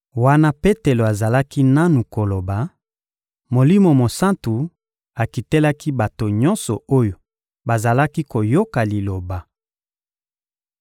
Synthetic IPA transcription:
wa˦na˦pe˦te˨lo˨a˨za˨la˦ki˦na˦nu˨ko˨lo˨ba˨ | mo˨li˦mo˨mo˨sa˦ntu˨ | a˨ki˨te˦la˦ki˦ba˨to˨ɲɔ˦nsɔ˨o˦jo˨ | ba˨za˨la˦ki˦ko˨jo˦ka˨li˨lo˨ba˨

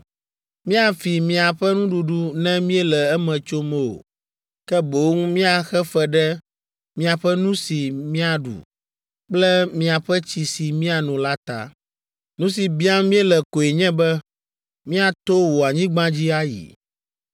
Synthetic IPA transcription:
mĩ˦a˨fi˨mĩ˨a˨ɸɛ˦nũ˦ɖu˨ɖu˦nɛ̃˦mĩ˦ɛ˦lɛ˨ɛ˦mɛ̃˨t͡ʃo˦mɛ̃˦o̰˨ | kɛ˦bo˨˦ŋ˦mĩ˦a˨xɛ˦fɛ˦ɖɛ˦ | mĩ˦a˨ɸɛ˦nũ˦si˨mĩ˦a˨ɖṵ˨ | k͡plɛ˦mĩ˦a˨ɸɛ˦t͡ɕi˨si˨mĩ˦a˨nɔ̃˨la˦t̪a̰˨ | nũ˦s̬i˨bĩ˦a˦mĩ˦ɛ˦lɛ˨ko˨e˨ɲɛ̃˦bɛ˦ | mĩ˦a˨t̪o˦wo˨a˨ɲĩ˦ɡ͡bã˦d͡ʑi˦a˦jḭ˨

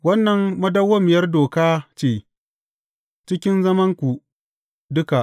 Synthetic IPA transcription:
wɐ˦nːɐ˨mːɐ˦dɐ˦wːɐ˦mɪ˨jɐ˦rdoː˨kaː˦t͡ʃeː˦˨ | t͡ʃɪ˦kʲɪ˦nzɐ˦mɐ˦ŋkʷu˨ | dʊ˦ka˨ʔ

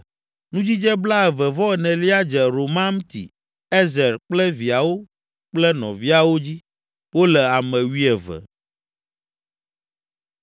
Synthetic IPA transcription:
nũ˦d͡ʑi˦d͡ʒɛ˦bla˦ɛ˨vɛ˨vɔ˦ɛ˨nɛ̃˨li˦a˦d͡ʒɛ˨ɾo˨mã˦m˦t̪ḭ˨ | ɛ˦zɛ˨ɾk͡plɛ˦vi˨a˨wo˦ | k͡plɛ˦nɔ̰̃˨vi˦a˨wo˦d͡ʑi˦ | wo˦lɛ˨a˨mɛ̃˨wi˦ɛ˨vɛ̰˨

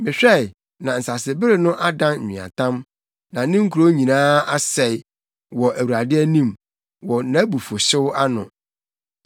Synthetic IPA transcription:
mɪ̃˨ɕᶣɛ˦˨ɪ˨ | nã˨n̩˨sa˨sɪ˨bɪ˦ɾɪ˨nʊ̃˦ʔa˦dã˦n̩˨ɲĩ˨ã̰˨tʰã˦m | nã˨nɪ̃˦ŋ̩˦kʰu˨ɾo˦ɲĩ˨nãː˦a˦sɛ˨ɪ˨ | wɔ˨ʔæ˨wu˨ɾa˨dɪ˦æ˦nĩ˦˨m | wɔ˨nã˦bu˨fo˨ɕɪ˦wa˦nʊ̰̃˨

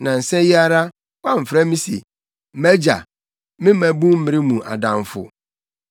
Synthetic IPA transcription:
nã˨n̩˨sɛ˦ji˦a˦ɾa˦ | wa˦m̩˨fɾɛ˦mĩ˦sḛ˨˦ | mæ˦d͡ʑa̰˨ | mɪ̃˦mæ˨bũ˦m̩˦mɪ̃˦ɾɪ˦mũ˨ʔa̰˨dã˨mfʊ̰˨

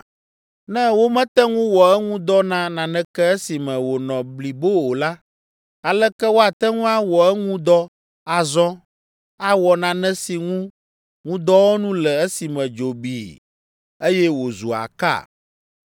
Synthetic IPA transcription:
nɛ̃˦wo˦mɛ̃˦t̪ɛ˦ŋũ˦wɔ˨ɛ˦ŋũ˦d̪ɔ˦nã˦nã˨nɛ̃˦kɛ˦ɛ˦si˨mɛ̃˨wo˨nɔ̃˨bli˨bo˦o˨la˦ | a˨lɛ˦kɛ˦wo˦a˨t̪ɛ˦ŋũ˦a˦wɔ˨ɛ˦ŋũ˦d̪ɔ˦ | a˨zɔ̃˦ | a˨wɔ˨nã˨nɛ̃˦si˨ŋũ˦ | ŋũ˦d̪ɔ˦wo˦nũ˦lɛ˨ɛ˦si˨mɛ̃˨d͡ʒo˨bḭ˨ | e˦jɛ˦wo˨zu˨a̰˨ka̰˦˨

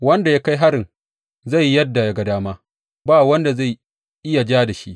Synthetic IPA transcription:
wɐ˦nda˨jaː˦ka˦jɦa˦ɾɪ˨ŋ | za˦˨jːɐ˦dːa˨ja˦˨ɡa˨daː˦maː˦ | baː˦˨wɐ˦nda˨za˦˨j | ʔɪ˦ja˨d͡ʒaː˦da˨ʃḭ˦ʔ

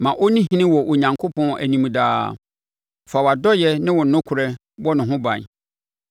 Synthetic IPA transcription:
mã˨ʔo˦nĩ˦ɦĩ˦nɪ̃˦wɔ˨ʔo˨ɲã˨ŋkʰo˦pɔ̃˦˨˦æ̰˨nĩ˨m̃˨daː˦ | fa˨wa˨dɔ˦jɛ˦nɪ̃˦wɔ˨nʊ̃˦kʰʊ˨ɾɛ˦ | wɔ˦nɪ̃˨ɦʊ̃˦bã˨n˨

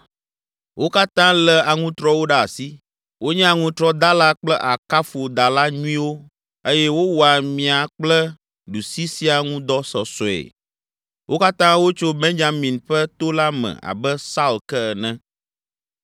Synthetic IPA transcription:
wo˦ka˦t̪ã˦lɛ˨a˨ŋũ˦t̪ɾɔ˦wo˦ɖa˦a˨si˦ | wo˦ɲɛ̃˦a˨ŋũ˦t̪ɾɔ˦d̪a˦la˦k͡plɛ˦ʔa˨ka˦fo˨d̪a˨la˦ɲũ˦ĩ˦wo˦ | e˦jɛ˦wo˦wɔ˨a˨mĩ˨a˨k͡plɛ˦ | ɖu˨si˦si˦a˨ŋũ˦d̪ɔ˦sɔ˨sɔ˨ḛ˨ | wʔo˦ka˦t̪ã˦wo˦t͡ʃo˦bẽ˦nd͡ʒa˨mĩ˨nɸɛ˦t̪o˦la˦mɛ̰̃˨a̰˨bɛ˦sa˦u˨lkɛ˦ɛ˨nɛ̃˦

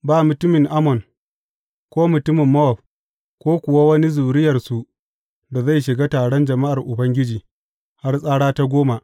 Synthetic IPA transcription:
baː˦˨mʊ˨tʊ˦mɪ˨ŋʔa˦mɔ˨n | kʷoː˦mʊ˨tʊ˦mɪ˨mːɐ˦wɔ˨b | kʷoː˦kʷʊ˨wa˦wɐ˦ni˦zuː˨ɾɪ˦jɐ˨rsu˨ | da˨za˦˨jʃɪ˨ɡa˦taː˨ɽɔ˦nd͡ʒɐ˨ma˦ʔa˨rʔʊ˨bɐ˦ŋɡʲɪ˦d͡ʒiː˨ | ha˦rsʼaː˦ɽaː˦ta˦ɡʷoː˦ma˨

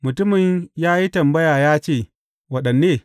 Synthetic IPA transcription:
mʊ˨tʊ˦mɪ˨ɲjaː˦ji˦tɐ˨mbɐ˦jaː˨jaː˦t͡ʃeː˦˨ | wɐ˦ɗɐ˨nːeː˦

